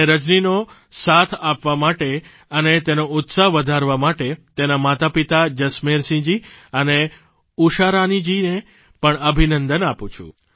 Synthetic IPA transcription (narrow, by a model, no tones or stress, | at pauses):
ɾəd͡ʒnino | sat̪ʰapʋamaʈe | ənet̪enoʊt̪saɦʋəd̪ʱaɾʋamaʈet̪enamat̪apit̪ad͡ʒəsmeɾsĩd͡ʒiəne | uʃaɾanid͡ʒine | pəɳəbʱinənd̪ənapũt͡ʃʰṵ̃